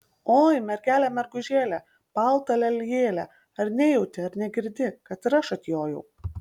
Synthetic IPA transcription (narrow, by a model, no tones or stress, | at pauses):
oːjmʲɛɾʲɡʲæːlʲæmʲɛɾɡʊʒʲeːlʲæ | pɑlˠt̪ɐlʲɛlʲjeːlʲɛ | ɐɾnʲejɛʊt̪ʲɪɐɾnʲɛɡʲɪɾʲd̪ʲɪkɐt̪ɾɐʃɐt̪ʲjoːjɛʊ